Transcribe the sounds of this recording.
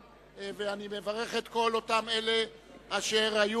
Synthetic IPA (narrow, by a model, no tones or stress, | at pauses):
veanime̞vaʁe̞χet̪ko̞lo̞tame̞le̞aʃeʁaju